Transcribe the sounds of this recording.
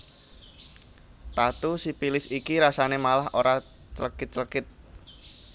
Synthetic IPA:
t̪at̪usipilɪsikiɾasanemalahʔoɾa | t͡ʃəlkɪt̪̚t͡ʃəlkɪt̪̚

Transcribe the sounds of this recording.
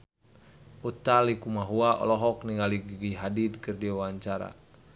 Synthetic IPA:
ut̪alikumaɦuaʔɔ̰lɔɦɔk̚niŋɡaliɡiɡiɦadid̪kɨrdiawaɲt͡ʃaɾa̰

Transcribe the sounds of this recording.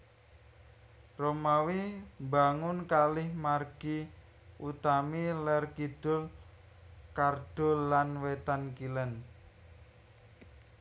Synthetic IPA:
romawimbaŋʊnkalɪhmarɡ̥i | ʔut̪amilɛrkiɖ̥ʊ̤l | karɖ̥ʊ̤lːanwet̪ankilən

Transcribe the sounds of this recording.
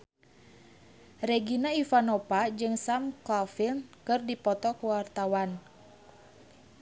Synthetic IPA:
rɛɡinaifanɔpad͡ʒɨŋsamkɔfilnkɨrdipɔt̪ɔkuwart̪awan

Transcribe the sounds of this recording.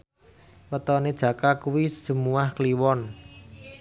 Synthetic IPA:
wət̪ɔned̥ʒ̥ä̤kakuwi̥ʒ̥ə̤muwahkliwɔn

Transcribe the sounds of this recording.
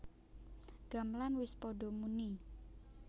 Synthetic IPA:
ɡ̥a̤mlanwɪspɔɖɔmuni

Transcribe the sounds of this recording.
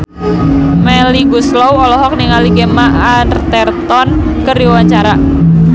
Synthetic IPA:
mɛliɡuslɔwɔlɔɦɔk̚niŋaliɡemaʔanrt̪ɛrt̪ɔnkəɾiwaɲt͡ʃaɾa

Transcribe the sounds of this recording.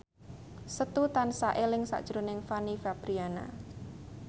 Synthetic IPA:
sət̪ut̪ansaʔelɪŋsa̰ʔd̥ʒ̥ɾonɪŋfanifab̥ɾiana̰

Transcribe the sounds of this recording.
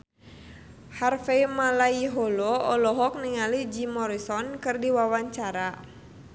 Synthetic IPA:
harfɛjmalaiɦɔlɔɔlɔɦɔk̚niŋalid͡ʒimɔɾisɔnkɨrdiwawaɲt͡ʃaɾa

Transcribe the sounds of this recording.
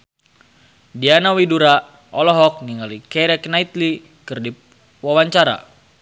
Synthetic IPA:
dianawiduɾa | ʔɔlɔɦɔk̚niŋalikɛɾɛknait̪li | kərdip̚ | wawaɲt͡ʃaɾa̰

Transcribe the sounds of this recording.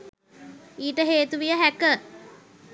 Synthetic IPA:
iːʈəɦeːt̪uʋijəɦækə

